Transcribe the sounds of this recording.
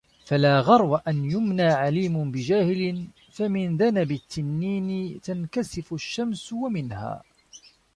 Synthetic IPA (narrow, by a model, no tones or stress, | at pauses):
falaːɣɑɾˤwaʔanjʊmnaːʕaliːmʊnbɪd͡ʒaːhɪlɪn | famɪnðanabɪt̪ːɪnːiːnɪt̪ankasɪfʊʃːamswamɪnha̰ː